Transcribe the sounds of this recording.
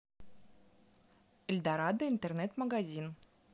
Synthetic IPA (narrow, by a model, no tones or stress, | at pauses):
ɘ̆lʲd̪aɾɑd̪əint̪ernet̪mɐɡazʲin